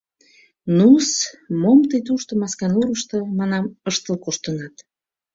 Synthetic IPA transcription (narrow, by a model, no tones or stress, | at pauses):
nusmomt̪əjt̪̬uʃt̪ə̆mɑskɑnuɾəʃt̪ɤmɑnɑməʃt̪əlkuʃt̪ənɑt̪